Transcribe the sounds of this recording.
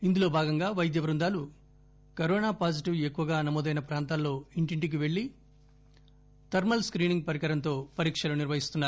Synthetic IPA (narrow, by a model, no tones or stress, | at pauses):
ind̪ulo̞ːbʱaːɡɐŋɡaːʋɐjd̪jɐʋɐɾund̪aːlu | kɐɾoːnaːpaːd͡ʒiʈiʋe̞kːuʋɐɡaːnɐmoːd̪ɐjnɐpɾaːnt̪aːlːo̞ːiɳʈiɳʈik̬iʋe̞ɭːi | t̪ɐɾmɐlskɾiːniŋɡ̚pɐɾikɐɾɐnt̪o̞ːpɐɾiːkʂɐluniɾʋɐɦist̪unːaːɾu